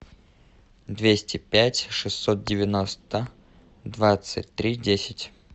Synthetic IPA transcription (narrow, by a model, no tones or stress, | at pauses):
d̪vʲesʲtʲɪpʲætʲʂɨsːot̪̚dʲɪvʲɪnost̪ə | d̪vat̪sɨ̰tʲt̪ɾʲidʲesʲɪtʲ